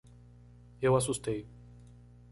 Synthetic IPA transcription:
ewas̬ust̪ej

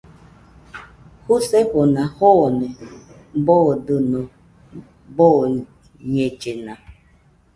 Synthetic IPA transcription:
huseponahone | bɔdɨnɔ | bo | ɲet͡ʃena

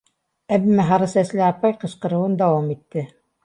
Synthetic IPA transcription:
æbɘmæɦɑɾɤsæslɘɑpɑjqɤ̆ʃqɤ̆ɾɤ̆wɤnd̪ɑwɑmit̪ːɘ

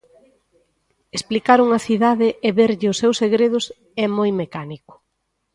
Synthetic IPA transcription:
esplikaɾuŋɐθiðaðɪʔeβeɾʎɪʊsewseɣɾeð̞ʊs | ɛmojmekanikʊ̥

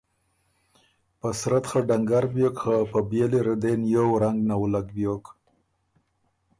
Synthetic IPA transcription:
pasɾat̪xaɖaŋɡaɾbjokxapəbjeleɾad̪enjowɾaŋɡnawlaɡbjok

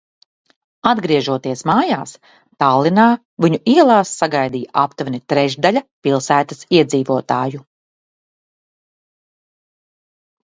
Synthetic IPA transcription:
ad̪ɡɾiɛʒuɔt̪iɛsmaːjaːs | t̪alˠːinaː | viɲuʔiɛlˠaːsːaɡajd̪ijaʔapt̪vnit̪ɾɛʒd̪aʎʲɐpilˠsæːt̪asiɛd̪ziːvuɔt̪aːju

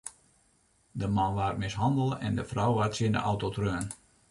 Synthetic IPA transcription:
dəmanʋaːrmɪsɦɑndəlˠɛ̰ndəfrɔwʋaːrtsɪndə̰ʔɔwtotrøːn

